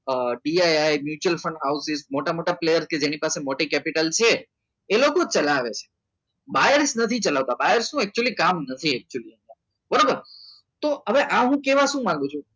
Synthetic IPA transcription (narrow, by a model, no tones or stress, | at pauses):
ɖiajajmjut͡ʃuəlfə̃ɳɖɦawsizmoʈamoʈaplejəɾsked͡ʒenipasemoʈikɛpiʈəlt͡ʃʰeː | lokot͡ʃəlaʋet͡ʃʰe̥ | bajəɾsnət̪ʰit͡ʃəlaʋt̪abajəɾsnũɛk̚t͡ʃuəlikamnət̪ʰiɛk̚t͡ʃuəliə̃nd̪a | bəɾabəɾ | t̪oɦəʋeʔaɦũkeʋaʃũmãŋɡũt͡ʃʰũ